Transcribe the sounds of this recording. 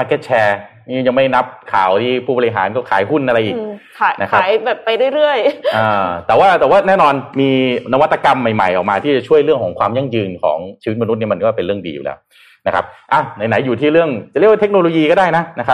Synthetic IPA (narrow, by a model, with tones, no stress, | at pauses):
paː˧ke˦˥t̪̚t͡ɕʰɛː˧niː˥˩ja˧ŋma˥˩jna˦˥p̚kʰa̰ː˨˩˦wt̪ʰiː˥˩pʰuː˥˩bɔː˧ɾi˧˩ɦa̰ː˩˦nkɔː˥˩kʰaː˩˦jɦu˥˩nʔa˧ɾa˧jʔiː˨˩k̚ʰː | nʔa˦˥kʰa˦˥˨jbɛː˨˩pːa˧jɾu˥˩jɾɯ˥˩əjʔɤː˧t̪ɛː˨˩waː˥˩t̪ɛː˨˩waː˥˩nɛː˥˩nɔː˧nmiː˧na˦˥wa˦˥t̪ːa˧ka˧mːa˨˩jma̰˨˩jʔɔː˨˩k̚maː˧t̪ʰiː˥˩t͡ɕa˨˩t͡ɕʰu˥˩əjɾɯ˥˩əŋkʰɔː˩˦ŋkʰwaː˧mja˥˩ŋjɯː˧nkʰɔ̰ː˩˦ŋt͡ɕʰiː˧wt̪̚ma˧n˦t̪̚ni˥˩m˧nkːwa˥˩pe˧nɾɯ˥˩əŋdḭː˧jṵ˨˩lɛ̰ː˦˥w | na˦˥kʰa̰˦˥p̚ʔa˧˩na˧jna˩˦jːuː˨˩t̪ʰiː˥˩ɾɯ˥˩əŋt͡ɕa˨ɾwa˥˩t̪e˦˥k̚noː˧loː˧jiː˧kɔː˥˩daː˥˩jna˦˥na˦˥kʰa˦˥